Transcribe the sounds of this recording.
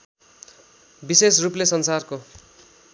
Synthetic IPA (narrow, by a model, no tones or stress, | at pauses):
bisesruplesʌnsarko